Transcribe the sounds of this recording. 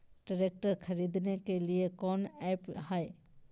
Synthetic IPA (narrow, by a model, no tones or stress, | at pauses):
ɖəɾek̚ʈəɾkʰəɾid̪nekeliekɔːnɛpɦae